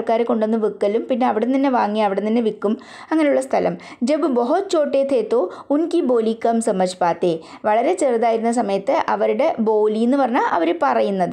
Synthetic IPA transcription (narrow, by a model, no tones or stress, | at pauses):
rkaːɾeko̞ɳɖonːɨʋikːɐlumpinːe̞ɐʋiɽet̪ɐnːe̞ʋaːŋːiɐʋiɽenɐnːe̞ʋikːum | ɐŋːɐne̞juɭːɐst̪ʰɐlɐ̰m | d͡ʑebɨboɦot͡ɕːo̞ːʈːeːt̪ʰeːt̪ːoːunkibo̞ːlikːɐmsɐmɐʂpaːt̪ːe | ʋɐɭɐɾe̞t͡ɕeːrðaːjiɾunːɐs̬ɐmɐjɐt̪ːɨʔɐʋɐɾuɽe̞bo̞ːlijnːɨpɐrɐɲːaːʔɐʋɐɾepɐrɐjunːɐðɨ